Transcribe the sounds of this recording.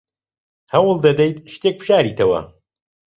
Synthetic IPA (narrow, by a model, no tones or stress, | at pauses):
hɐwɨlˠd̪ɐd̪ɐjt̪ʃt̪ek̚pʰʃaːɾiːt̪ʰɐwɐ̰